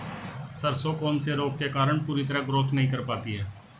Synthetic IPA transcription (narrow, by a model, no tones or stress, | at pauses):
səɾsoːkoːnseːɾoːk̚keːkaːɾəɳpuːɾiːt̪əɾaːɡɾoːt̪ʰnəɦĩːkəɾpaːt̪iːɦɛː